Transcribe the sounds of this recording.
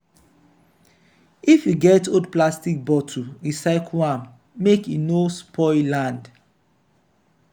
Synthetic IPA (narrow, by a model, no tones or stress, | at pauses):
ifjuɡɛtodplastik̚bɔtʰuisaɪkʰuãm | mekinospʰɔɪlãnd